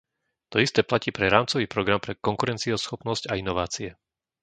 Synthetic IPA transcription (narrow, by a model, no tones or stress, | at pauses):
t̪ɔist̪ɛːplaciːpɾɛɾaːmt͡sɔʋiːpɾɔɡɾampɾɛkɔŋkuɾɛnt͡siɔsxɔpnɔzcainɔʋaːt͡siɛ